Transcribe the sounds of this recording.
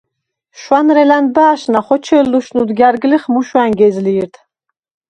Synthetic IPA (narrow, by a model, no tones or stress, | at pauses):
ʃwanɾɛlanbaːʃnaχɔt͡ʃʰɛlːuʃnud̪ɡʲjaɾɡliχmuʃwaŋɡɛzliːɾt̪ʰ